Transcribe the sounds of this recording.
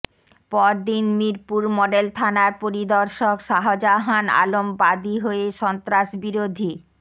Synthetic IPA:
pɔɾd̪inmiɾpuɾmɔɖelt̪ʰanaɾpoɾid̪ɔɾʃokʃaɦod͡ʑaɦana̰lombad̪iɦoeʃɔnt̪ɾaʃbiɾod̪ʱi

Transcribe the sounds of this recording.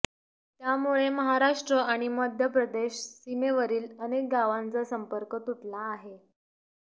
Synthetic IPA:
t̪jamuɭeməɦaɾaʂʈɾəʔaɽ̃iməd̪ʱjəpɾəd̪eɕsimeʋəɾiːlənek̚ɡaʋant͡səsəmpəɾkət̪uʈlaːɦe

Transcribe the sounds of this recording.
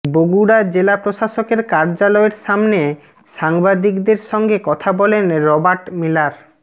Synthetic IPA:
boɡuɽad͡ʑelapɾoʃaʃokeɾkaɾd͡ʑalɔeɾʃamne | ʃaŋbad̪ikd̪eɾʃɔŋɡekɔt̪ʰabɔlenɾɔbaɾʈmilaɾ

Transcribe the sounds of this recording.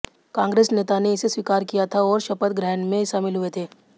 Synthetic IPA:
kãːŋɡɾeːsneːt̪aneɪseswiːkaːɾkijat̪ʰaɔːɾʃɐpət̪ɡɾɛɦnmẽʃaːmɪlɦʊet̪ʰeː

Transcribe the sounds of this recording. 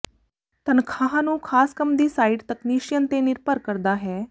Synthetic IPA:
t̪ənkʰaɦãnũːkʰaːskəmd̪iːsaiɖt̪əkniːʂjənt̪eniɾpəɾkəɾd̪aɦɛː

